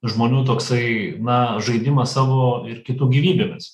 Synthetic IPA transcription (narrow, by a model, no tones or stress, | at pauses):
ʒmoːnʲuːt̪oːksɐɪnɐʒɐɪd̪ʲɪmɐsɑːʋoːɪrkʲɪt̪uːɡʲiːʋʲiːbʲeːmʲɪs